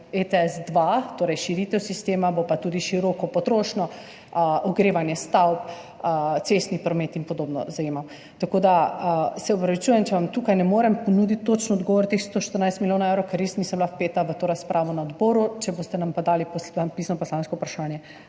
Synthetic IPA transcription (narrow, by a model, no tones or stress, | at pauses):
et̪ɛɛzd̪ʋat̪oːɾɛjʃiɾiːt̪ɛwsist̪eːmabopat̪uːd̪iʃiɾɔːkɔpɔt̪ɾoːʃnɔ | ɔɡɾeːʋanjɛst̪awp | t̪sest̪nipɾɔmet̪inpɔd̪oːbnɔ̰zajeːmaw | t̪akod̪asɛɔpɾɐʋit͡ʃuːjɛmt͡ʃɛʋamt̪uːkajnɛmoːɾɛmpɔnuːd̪it̪ːot͡ʃnɔɔd̪ɡɔːʋɔɾt̪exst̪oːʃt̪əɾnajst̪miljoːnaɛwɾɛwkɛɾjesniːsəmblafpeːt̪aʋət̪oːɾaspɾʔaːʋɔnaɔd̪bɔːɾut͡ʃɛbost̪ɛnampad̪alipɔsanpiːsnɔpɔslanskɔupɾaʃaːnjɛ